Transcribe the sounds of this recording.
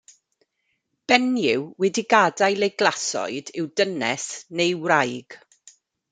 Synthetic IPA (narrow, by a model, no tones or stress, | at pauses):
b̥ɛnjɪwwɛdiɡadajlejɡlˠasɔ̰ɨdɪwdənɛsnejwrajɡ̥